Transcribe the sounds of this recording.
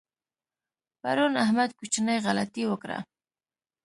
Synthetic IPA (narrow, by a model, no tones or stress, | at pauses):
pa̰ɾunahmad̪̚kut͡ʃnəjɣalat̪iwəkɾa̰